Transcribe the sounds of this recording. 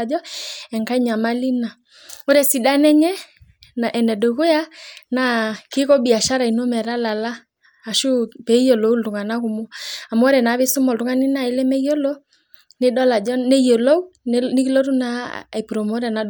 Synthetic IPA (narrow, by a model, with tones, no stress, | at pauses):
d͡ʒɔ˦ɛ˨ŋka˦i˦ɲa˨ma˦li˦na˨ | o˦ɾɛ˦si˨da˦nɛ˦ɲɛ˦na˨ʔɛ˨nɛ˨do˨ɣo˦ja˦na˨ke˦kɔ˦bi˨a˨ʃa˦ɾa˨i˨no˦mɛ˨ɾa˦la˨laː˦˨ | ʃu˦pɛ˨˦jɔ˨lɔ˨˦u˦ltu˨ŋa˨na˦ko˨mɔ˦a˨mɔ˦ɾɛ˨na˨˦βe˦so˦mɔ˨ltu˦ŋa˦ni˦na˨e˨˦lɛ˦mɛ˦i˦jɔ˦lɔ˦ | ne˦dɔ˦la˨d͡ʒɔ˦ne˦ijɔ˨lɔ˦u˦ni˦ki˦lɔ˦ɾu˦na˦˨i˨pu˨ɾɔ˨mo˦ɾɛ˨na˨